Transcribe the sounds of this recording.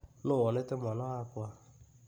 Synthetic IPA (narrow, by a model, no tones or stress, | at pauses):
nʊwɔnetemɔnɔakʊa